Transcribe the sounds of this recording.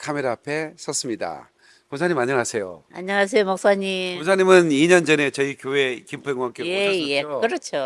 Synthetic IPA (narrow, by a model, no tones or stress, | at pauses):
kʰameɾaapʰe̞sʰʌs͈ɯmɲida̰ | kosʰaɲimaɲːʌŋasʰe̞jo̰aɲːʌŋas̬ʰe̞jomok̚s͈aɲiosʰaɲimɯniɲʌnd͡ʑʌne̞t͡ɕʌikjoɦe̞kimpʰeŋɡwaŋk͈ojejeokɯɾʌt͡ɕʰo